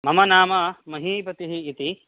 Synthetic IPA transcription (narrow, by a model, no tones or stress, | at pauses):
mɐmɐnaːmɐmɐɦiːpɐt̪iɦiːt̪i